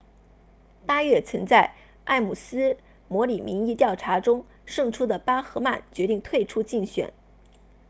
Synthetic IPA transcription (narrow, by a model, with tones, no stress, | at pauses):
pa˥ɥɛ˥˩t͡sʰə˧˥ŋt͡sa˥˧ɪ | ʔa˥˩ɪmu˨˩sɹ̩˥ | mwɔ˧˥li˨˩mi˧˥ŋi˥˧t̪jɑ˥˩ʊʈ͡ʂʰa˧˥ʈ͡ʂʊ˥ŋ | ʂɤ˥˩ŋʈ͡ʂʰu˥d̪ə˨pa˥xɤ˧˥ma˥˩nt͡ɕɥɛ˧˥t̪i˥˧ŋt̪ʰwe˥˩ɪʈ͡ʂʰu˥t͡ɕi˥˩ŋɕɥɛ̰˨˩˦n